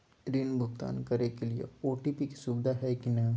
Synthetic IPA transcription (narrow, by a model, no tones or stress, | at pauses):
ɾinbʱʊɡt̪a̰ːnkɐɾekeliḛoːʈipikisubd̪ʱaɦɛkina